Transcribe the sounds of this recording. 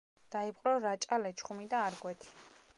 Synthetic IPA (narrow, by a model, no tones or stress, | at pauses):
d̪̥aipʼqʼɾɔɾat͡ʃʼalɛt͡ʃʰχumid̪aːɾɡwɛt̪ʰi̥